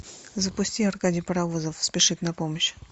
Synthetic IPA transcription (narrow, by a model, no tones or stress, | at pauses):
zəpʊsʲtʲiarkadʲɪjpəɾɐvuzəfspʲɪʂɨt̪nɐpoməɕ